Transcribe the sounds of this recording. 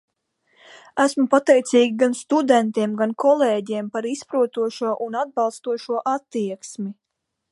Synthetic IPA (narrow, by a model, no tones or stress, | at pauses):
æsmupat̪ɛjt̪siːɡʲiɡanst̪ud̪ɛnt̪iɛmɡankʰɔlˠeːɟiɛmpaɾispɾuɔt̪uɔʃuɔʔunad̪̚bɑlˠst̪uɔʃuɔʔat̪ːiɛksmi